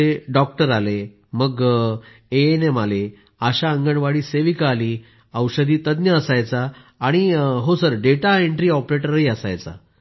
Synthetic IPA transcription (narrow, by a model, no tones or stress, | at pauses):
eɖɔk̚ʈəɾale | məɡ | eenemale | əɕaəŋɡəɳʋaɽiːseʋikːliː | əwɕəd̪iːt̪əd̪njəːsajt͡saː | ɽ̃iɦosəɾɖeʈaeɳʈɾiːɔpɾeʈəɾəɦiəsa̰jt͡sa̰